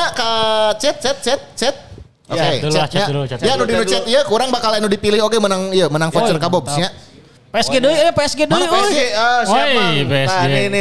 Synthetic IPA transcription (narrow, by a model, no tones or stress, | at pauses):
akat͡ʃɛt̪̚t͡ʃɛt̪̚t͡ʃɛt̪̚t͡ʃɛt̪̚ | oket͡ʃɛɲajanudinut͡ʃɛt̪ijakuɾaŋbakalinudipilɪhokemənaŋijamənaŋfot͡ʃərkabɔbsɲa | peɛsɡedoipeɛsɡedoieɛsɡeəsambeaninɪ